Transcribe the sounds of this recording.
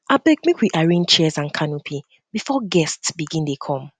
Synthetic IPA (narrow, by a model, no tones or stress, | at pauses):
abɛɡ̚mekʰwiʔaɹĩnt͡ʃʰɛzãnkʰanopʰi | bifɔɡɛstsbiɡĩndekʰɔ̃m